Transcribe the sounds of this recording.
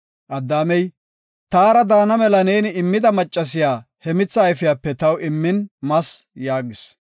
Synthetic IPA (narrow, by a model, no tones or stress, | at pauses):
ʔɐd̪ːaːmɛj | t̪aːɾɐd̪aːnɐmɛlɐneːnɪɪmːɪd̪ɐmɐt͡ʃʼːɐs̬ɪjaːhɛmɪt͡sːɐːjfɪjaːpːɛt̪ɐwɪmːɪnmɐsjaːɡɪs